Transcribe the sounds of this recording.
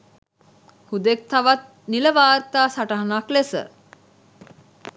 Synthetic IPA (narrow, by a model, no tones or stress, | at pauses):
hud̪ek̚t̪aʋat̪̚ | niləʋaːɾt̪aːsaʈəɦɐnaklesə̰